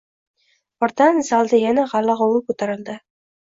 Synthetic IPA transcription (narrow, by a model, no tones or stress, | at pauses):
ɒɾt̪anzalˠd̪ɪjanaʁɑlːɑʁowɪkɵt̪ʰaɾɪld̪ɪ